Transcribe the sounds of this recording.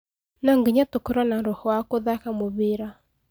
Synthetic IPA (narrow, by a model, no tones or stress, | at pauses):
naŋɡiɲatokɔɾanaɾɔhɔakoðakamoβiɾa